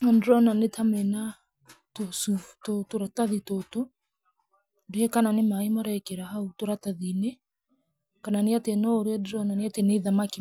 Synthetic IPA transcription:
andɾɔnanetʰamɛna | tosutotoɾataðitoto | diɛkananemaimaɾakeɾaɦautoɾataðinɛ | kananiatenɔɾiɛdɾɔnaneateneðamaki

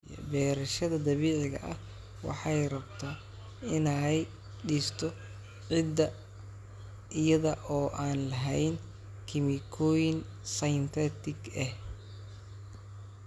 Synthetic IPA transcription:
bɛːɾɐʃɐðɐd̪ɐβɛːʕɪɣɐ̰ʔɐh | wɑ̰ħɑjrɐbt̪ʰaː | ɪnɛj | ɖiːst̪ʰɔ | ʕɪd̪ɐ | ʔɪjɐðɐʔɔːʔaːnlɐɦɛjn | kʰɪmɪkʰɔːjɪn | sɐjnt̪ʰɛt̪ʰɪɡɛh

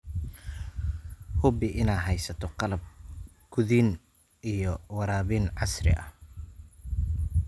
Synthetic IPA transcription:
hʊbɪʔɪnaːɦɛjsɐt̪ʰɔqɑlɐb̚ | ɡ̥ʊðiːn | ijɔwɑɾaːβinʕɑsrɪ̰ʔɐh

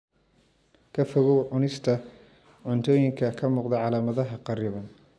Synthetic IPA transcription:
kʰɐfɔɣɔwʕʊnɪst̪ʰɐ | ʕʊnt̪ʰɔːjɪŋkʰɐkʰɐmuːqd̪ɐʕɑlaːmɐðɐɦɐqɑɾɪβɐn

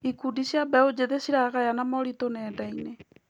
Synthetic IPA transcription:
ikudiʃjabɛod͡ʒeðesiɾaɣajanamɔɾitonɛːdaine

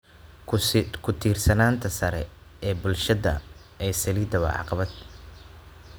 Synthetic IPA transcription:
kʰʊt̪ʰiːrsɐnaːnt̪ʰɐsɐɾɛ̰ | ɛːbʊlʃɐðɐ̰ | ʔɛjsɐliːd̪ɐβɐ̰ʕɑ̰qɑβɐd̪

